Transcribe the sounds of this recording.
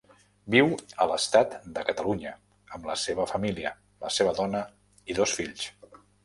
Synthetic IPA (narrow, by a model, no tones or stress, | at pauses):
biwələst̪at̪d̪əkət̪əluɲə | əmləseβəfəmiliə̰ | lə̰seβ̞əðɔnə | iðosfiʎs